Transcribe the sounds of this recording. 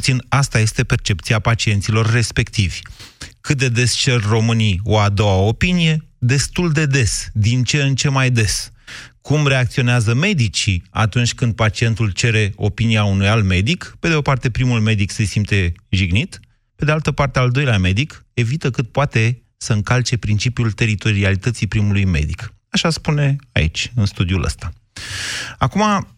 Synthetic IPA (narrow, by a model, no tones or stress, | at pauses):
t̪sinast̪aje̞st̪e̞pe̞rt͡ʃe̞pt̪siapat͡ʃie̞nt̪silo̞rːe̞spe̞kt̪ivʲkɨt̪̚d̪e̞d̪e̞st͡ʃe̞rʲro̞mɨnio̞ad̪o̞wao̞pinije̞d̪e̞st̪uld̪e̞d̪e̞sd̪int͡ʃe̞ɨnt͡ʃe̞majd̪e̞skumre̞akt̪sio̞neazəme̞d̪it͡ʃia̰t̪unt͡ʃʲkɨnd̪̚pat͡ʃie̞nt̪ult͡ʃe̞ɾe̞o̞piniaunujalme̞d̪ikpe̞d̪eopart̪e̞pɾimulme̞d̪ikse̞simt̪e̞ʒiɡnit̪ | pe̞d̪ealt̪əpart̪eald̪o̞jleame̞d̪ike̞vit̪əkɨt̪̚poat̪e̞ | səɨŋkalt͡ʃe̞pɾint͡ʃipjult̪e̞ɾit̪o̞ɾialit̪ət̪sipɾimulujme̞̰d̪ik | aʃaspune̞a̰ḭt͡ʃʲɨnst̪ud̪iulʔə̰st̪a | akuma